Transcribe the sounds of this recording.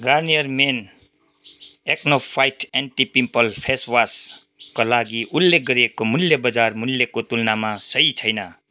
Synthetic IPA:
ɡarnijʌrmen | ek̚nopʰajʈeɳʈipimpʌlpʰeswas | kolaɡiʔulːek̚ɡʌɾiekːomulːebʌd͡zarmulːekot̪ulnamasʌjt͡sʰʌjnʌ

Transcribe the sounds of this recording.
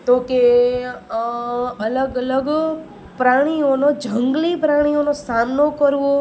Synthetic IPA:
t̪oke | ələɡələɡ | pɾaɽ̃ionod͡ʒʱəŋɡlipɾaɽ̃ionosamnokəɾʋo

